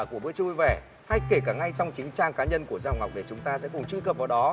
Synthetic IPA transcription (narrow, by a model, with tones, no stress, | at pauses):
ku˧˩əɓɨ̰˧˥t͡ɕu˧jvɛ˧˩ | ha˧jke˧˩kaː˧˩ŋa˧jt͡ɕɔ˧wŋ͡mt͡ɕï˨˦ŋ̟t͡ɕaː˧ŋkaː˨˦ɲə˧nku˧˩əzaː˧˨ŋ͡mŋa˨˩wk͡p̚ɗe˧˩t͡ɕʊ˨˦ŋ͡mt̪aː˧sɛ̰˧˥kʊ˨˩ŋ͡mt͡ɕu˧kə˨˩p̚vaː˨˩wɗɔ˨˦